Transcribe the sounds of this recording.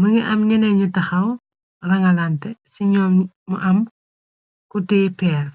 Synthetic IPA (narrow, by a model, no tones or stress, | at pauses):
muŋiʔɐmɲɛnɛɲutɐxɐw | rɐŋɐlantɛsiɲɔːm | muʔɐm | kutɛːpɛːr